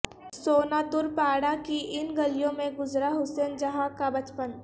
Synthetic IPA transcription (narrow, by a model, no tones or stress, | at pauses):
soːnad̪ʊɾpaːɽakiɪnɡɐlijõmẽɡʊzɾaɦʊseːnd͡ʒɐɦãkabɐt͡ʃpən